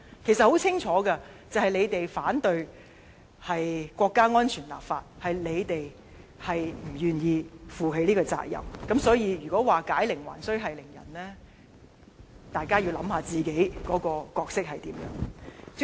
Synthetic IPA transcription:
kʰe˨˩jsɐ˨t̚ho˨˥wt͡sʰɪ˥ŋt͡ʃʰɔː˨˥kɐ˧t͡sɐ˨whɐ˨jle˨˧jt̪e˨jfaː˨˥nt̪ɵ˧ɥ | hɐ˨jkʷɔː˧kːaː˥ŋɔː˥nt͡ʃʰyː˨˩nla̰ː˨˩p̚faː˧t̚hɐ˨jle˨˧jt̪e˨j | hɐ˨jm̩˨˩jyː˨njiː˨˧fuː˨ɦe˨˧jliː˥kɔː˧t͡sa̰ː˧˥k̚jɐ̰˨˩mkɐ˨˥msɔː˨˥jiː˨˧jyː˨˩kɔː˨˥waː˨kaː˨˥jlɪ˨˩ŋwa̰ː˨˩nsɵ˥ɥɦɐ˨jlɪ˨˩ŋjɐ̰˨˩nlɛː˥ | t̪aː˨jkaː˥jiː˧wlɐ˨˧˥mhaː˧t͡siː˨ke˨˥jkɔː˨˥kɔː˧kɔː˧k̚sɪ˥k̚hɐ˨jt̪iː˨˥mjœ̰˨˥ŋ

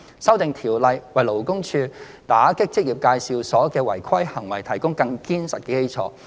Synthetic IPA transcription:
sɐ˥wt̪ɪ˨ŋt̪ʰiː˨˩wlɐ˨jwɐ˨˩jlo˨˩wkʊ˥ŋt͡ʃʰyː˧ | t̪aː˨˥kɪ˥k̚t͡sɪ˥k̚ji˨p̚kaː˧jsiː˨˧wsɔː˨˥kɛː˧wɐ˨˩jkʰɐ˥jhɐ˨˩ŋwɐ˨˩jt̪ʰɐ˨˩jkʊ˥ŋkɐ˧ŋkiː˥nsɐ˨t̚kɛː˧ke˥jt͡sʰɔː˨˧˥

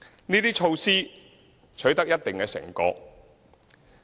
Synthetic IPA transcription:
niː˥t̪iː˥t͡ʃʰo˧wsiː˥ | t͡ʃʰɵ˨˥ɥt̪ɐ˥k̚jɐ˥t̚t̪ɪ˨ŋkɛː˧sɪ̰˨˩ŋkɔː˧k̚

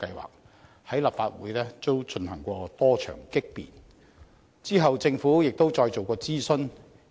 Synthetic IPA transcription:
kɐ˧jwa̰ː˨k̚ | hɐ˨˥jla˨p̚faː˧t̚wuː˨˥jlɛː˥t͡so˥wt͡ʃɵ˧nhɐ˨˩ŋkʷɔː˧t̪ɔː˥t͡ʃʰœ̰ː˨˩ŋkɪ˥k̚pḭː˨˩n | t͡siː˥ɦɐ˨wt͡sɪ˧ŋfuː˨˥jɪ˨k̚t̪o˥wt͡sɔː˧jt͡so˨wkɔː˧t͡siː˥sɵ˥n

